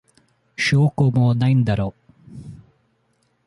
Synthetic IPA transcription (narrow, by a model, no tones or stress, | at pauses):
ʃoːkomoːnɐjnd̪ɐɾo